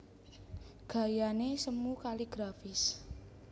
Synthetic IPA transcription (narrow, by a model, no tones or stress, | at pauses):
ɡ̥a̤janesəmukaliɡ̥ɾafɪs